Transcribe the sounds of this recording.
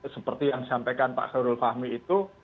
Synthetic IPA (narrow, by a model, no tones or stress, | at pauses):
səpərt̪ijaŋdisampekanpa̰ʔxəɾʊlfahmiːt̪u